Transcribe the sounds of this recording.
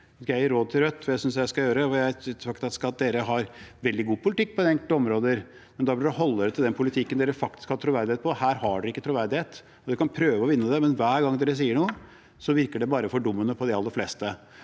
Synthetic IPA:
æɾoːd̪̚t̪ʰɪlɾœt̪ːfɔjæɪsʏns̬jæɪskɑljøːɾəɔjæɪt̪ʰːɑkt̪ɑt̪sɑt̪̚d̪eːɾəɦɑɾʋɛld̪ɪɡuːpʰʊlɪt̪ɪk̚ːpɔd̪ɛɛŋk̪ɔmɾoːd̪əɾ | mɛnd̪ɑblɖ̪ɛɦɔlːəɾət̪ɪld̪ɛnpʰʊlɪt̪ʰɪkːənd̪eːɾəfɑk̚t̪ɪ̥skhɑt̪ʰɾʊʋæɾd̪ɪheːt̪pɔhæːɾhɑɖʉɪkːət̪ɾʊʋæɾd̪ɪheːt̪ | ɔd̪ɛkʰɑnpʰɾøːʋəɔʋɪnːəd̪ɛmɛnʋæːɾɡɑŋːd̪eːɾəs̬iːəɳuːə | sɔʋɪɾkəɖɛbɑːɾəfɔɖʊmːənəpʰɔd̪ɛɑlːəɾflɛst̪ə

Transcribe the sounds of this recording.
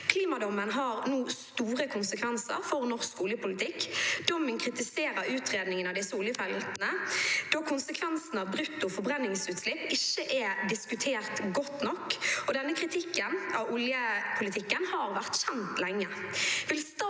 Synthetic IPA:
kʰliːmɑd̪ɔmːənɦɑːʁnuːst̪uːʁəkʰʊnsəkʰʋɛnsə̰ʁfɔʁnɔʁskʊljəpʊlɪt̪ʰɪkːd̪̥ɔmːənkʰʁɪt̪ɪseːɾəɾʉːt̪ʁeːd̪nɪŋənɑʋd̪ɪsəʊljəfɛlnəd̪̥oːkʰʊnsəkʰʋɛnsn̩ɑʋbʁʉt̪ːʊfɔbʁɛnːɪŋsʉːt̪slɪpːɪçːəʔɛd̪ɪskʉt̪ʰeːʁt̪ɡɔt̪ːnɔkːɔd̪ɛnːəkʰʁɪt̪ʰɪkːənʔɑʋʊljəpʰʊlɪt̪ʰɪkːənhɑːʁʋæʁt̪ɕɛnt̪lɛŋːəʋɪlst̪ɑ

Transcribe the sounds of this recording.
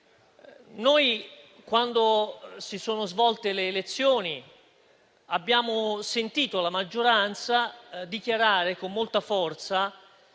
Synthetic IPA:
noj | kwand̪osisoːnozvɔlt̪eleːlet̪sːjoːni | abːjaːmosent̪iːt̪olamad͡ʒːoɾant̪sad̪ikjaɾaːɾekomːolt̪afɔrt̪sa

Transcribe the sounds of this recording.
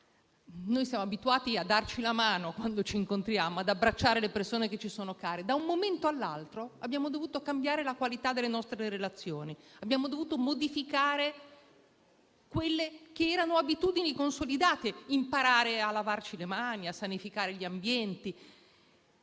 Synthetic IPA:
nojsjaːmoabit̪uaːt̪iad̪ːart͡ʃilamaːnokwand̪ot͡ʃiːŋkont̪ɾjaːmoad̪abɾat͡ʃːaːɾelepersoːneket͡ʃːisoːnokaːɾed̪aumːoment̪oalːa̰lt̪ɾoabːjaːmod̪ovuːt̪okambjaːɾelakwalit̪ad̪ːelːenɔst̪ɾeɾelat̪sːjoːniabːjaːmod̪ovuːt̪omod̪ifikaːɾe | kwelːekeɛːɾanoabit̪ud̪inikonsolid̪aːt̪eimpaɾaːɾealavart͡ʃilemaːniasːanifikaːɾeʎiambjɛnt̪i

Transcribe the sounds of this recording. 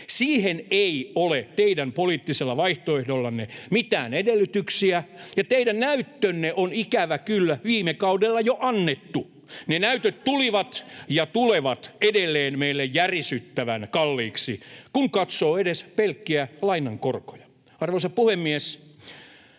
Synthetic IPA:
siːheneiolet̪eidæmpoliːt̪ːiselːɑʋɑiht̪oehdolːɑnːemit̪æ̰ːnedelːyt̪yksiæjɑt̪eidænnæyt̪ːønːeʔonikæʋækylːæʋiːmekɑudelːɑjoʔɑnːet̪ːu | nenæyt̪øt̪t̪uliʋɑt̪jɑt̪uleʋɑt̪edelːeːnmeilːejjærisyt̪ːæʋænkɑlːiːksḭkuŋkɑt̪soːedespelkːiælɑinɑŋkorko̥jɑ̥ | ɑrʋoisɑpuhemːies

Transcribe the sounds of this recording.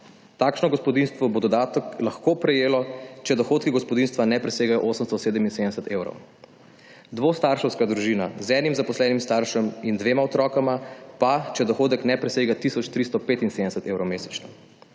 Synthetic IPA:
t̪aːkʃnɔɡɔspɔd̪inst̪ʋɔbod̪ɔd̪aːt̪əklaxkopɾɛjeːlɔt͡ʃɛd̪ɔxoːt̪̚kiɡɔspɔd̪inst̪ʋanɛpɾɛseːɡajɔʔoːsəmst̪ɔseːd̪əminsed̪ɛsət̪eːwɾɔ̰w | d̪ʋoːst̪aɾʃɛwskad̪ɾuʒiːnazɛnimzapɔslɛːnimst̪aɾʃɛmind̪ʋeːmaɔt̪ɾɔːkamapat͡ʃɛd̪ɔxoːd̪əknɛpɾɛseːɡat̪isɔt͡ʃt̪ɾist̪ɔpeːt̪inseːd̪ɛsət̪eːwɾɔwmeːsɛ̥t͡ʃnɔ

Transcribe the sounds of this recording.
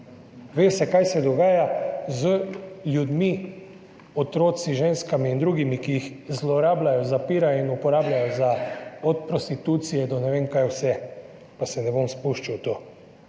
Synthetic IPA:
ʋeːsɛkajsɛd̪ɔɡaːjazəlʲjud̪mi | ɔt̪ɾoːt̪siʒeːnskamiːnd̪ɾuːɡimikijixzlɔɾaːblajɔzapiːɾajɔinupɔɾaːblajɔzaɔt̪̚pɾɔst̪it̪uːt̪sijɛd̪ɔnɛʋeːŋkajwsɛ | pasɛnɛbomspuʃt͡ʃawt̪oː

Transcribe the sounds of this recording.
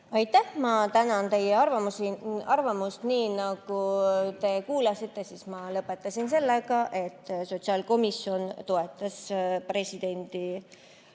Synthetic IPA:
ɑjt̪ːˑæhmɑt̪ænɑnt̪e̞jeɑrvɑmusiɑrvɑmust̪niːnɑɡ̥ut̪e̞kuːlɑsit̪ˑːe̞siːsmɑlɤpːˑe̞t̪ˑːɑsinse̞lːeɡ̥ɑʔe̞t̪ːˑso̞t̪siɑːlko̞misjo̞nt̪o̞e̞t̪ːˑɑspre̞sʲid̪̥e̞nd̪̥i

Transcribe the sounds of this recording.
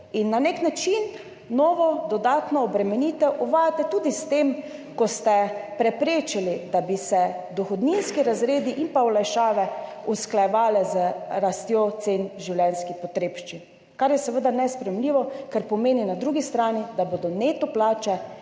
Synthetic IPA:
inːaneknat͡ʃin | nɔːʋɔd̪ɔd̪aːt̪nɔːbɾɛmɛniːt̪ɛʔuʋaːjat̪ɛt̪uːd̪ist̪em | kɔst̪ɛpɾɛpɾeːt͡ʃilid̪abisɛd̪ɔxɔd̪ninskiɾazɾeːd̪iʔinpawlajʃaːʋɛ | usklajɛʋaːlɛzəɾast̪jot̪senʒiwlʲjɛnskixpɔt̪ɾeːpʃt͡ʃin | kaɾjɛsəʋəd̪anɛspɾɛjɛmliːʋɔkɛɾpɔmeːninad̪ɾuːɡist̪ɾaːnid̪aboːd̪ɔnet̪ɔplaːt͡ʃɛ

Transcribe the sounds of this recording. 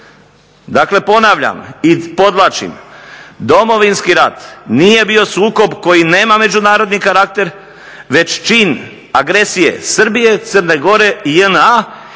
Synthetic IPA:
d̪akle̞po̞naʋʎa̰mipo̞d̪lˠaːt͡ʃḭmd̪o̞mo̞ʋinskiɾat̪nije̞bio̞suːko̞bko̞jine̞ːmame̞d͡ʒunaːɾo̞d̪nikaɾak̚t̪e̞ɾ | ʋe̞t͡ʃt͡ʃiːn | aɡɾe̞sije̞̰sr̩bije̞t̪sərne̞ɡo̞ɾe̞iəna

